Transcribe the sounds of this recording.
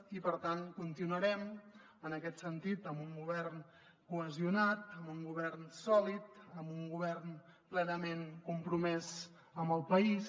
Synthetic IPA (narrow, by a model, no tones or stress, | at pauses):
ipəɾt̪ankunt̪inuəɾɛm | ənəkɛt̪sənt̪it̪əmbuŋɡuβ̞ɛrn | kuəziunat̪əmbuŋɡuβɛrnsɔlit̪əmbuŋɡuβɛrnplɛnəmenkumpɾumɛz | əmbəlˠpəis